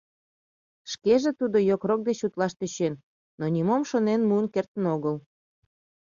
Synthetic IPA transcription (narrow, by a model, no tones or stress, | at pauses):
ʃkeʒet̪ud̪ojokrok̚d̪et͡ɕut̪lɑʃt̪øt͡ɕenː | onʲimomʃonenmuənkert̪ənoɣəl